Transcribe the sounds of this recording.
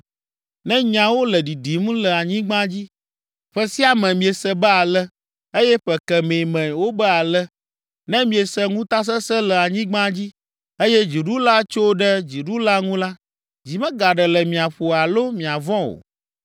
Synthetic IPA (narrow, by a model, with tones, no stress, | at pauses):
nɛ̃˦ɲã˨wo˦lə˨ɖi˨ɖi˨mũ˦lɛ˨a˨ɲĩ˦ɡ͡bã˦d͡ʑi˦ | ɸɛ˦si˦a˨mɛ̃˨mĩ˨e˨sɛ˦bɛ˦a˨lɛ˦ | e˦jɛ˦ɸɛ˨kɛ˨mẽ˨mɛ̃˨wo˦bə˦a˨lɛ˦ | nɛ̃˦mĩ˨e˨sɛ˦ŋũ˦t̪a˦s̬ɛ˦sɛ˦lɛ˨a˨ɲĩ˦ɡ͡bã˦d͡ʑi˦ | e˦jɛ˦d͡ʑi˨ɖu˦la˦t͡ʃo˦ɖɛ˦d͡ʑi˨ɖu˦la˦ŋũ˦la˦ | d͡ʑi˨mɛ̃˦ɡa˨ɖɛ˨lɛ˨mĩ˨a˨ɸo˨a˨lo˦mĩ˨a˨vɔ̃˦o̰˨